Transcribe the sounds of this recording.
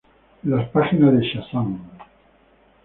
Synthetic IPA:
laspaxinazðeʃasaŋ

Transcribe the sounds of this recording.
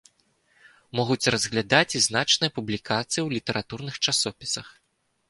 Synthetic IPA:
mɔɣut͡sʲrɐzɣlʲad̪at͡sʲiznat͡ʂnɨjɐpublʲikat̪sɨjiwlʲit̪ɐɾʔat̪urnɨxt͡ʂasɔpʲi̥sɐx

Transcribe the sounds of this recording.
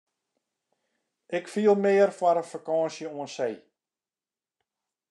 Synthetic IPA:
ɪkfiəlˠmɪːərfwaɾəfakɔ̃ːsjəoənsej

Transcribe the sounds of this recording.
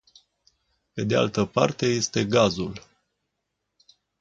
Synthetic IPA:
pe̞d̪ea̰lt̪əpa̰rt̪e̞je̞st̪e̞ɡazul

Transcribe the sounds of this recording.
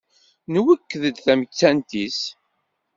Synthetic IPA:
nwəkːðəd̪θæmət͡sːænt̪is

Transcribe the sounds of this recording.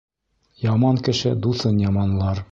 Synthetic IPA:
jɑmɑŋkɘ̆ʃɘd̪uθɤnjɑmɑnlˠɑɾ

